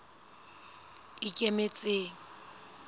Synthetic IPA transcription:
kʼɪkʼemet͡sʼeːŋ̩

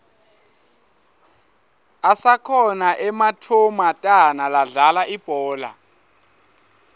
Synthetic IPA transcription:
asakʰɔnaʔɛmatʰumatʼanalaɮalaʔib̥ʱɔːla̰

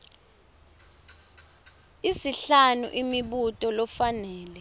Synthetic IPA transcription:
isiɬanṵʔimiɓutʼɔlɔfanɛːlɛ

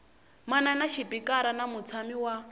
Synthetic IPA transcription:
mananaʃipikaɾanamut͡sʰamiwa

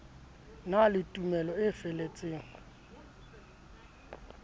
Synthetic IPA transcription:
nalɪtʼumɛlɔɪfelet͡sʼeːŋa

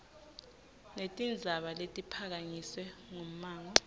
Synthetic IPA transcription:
netʼind͡zʱaɓaletʼipʰak̬aɲiswɛŋom̩maːŋa

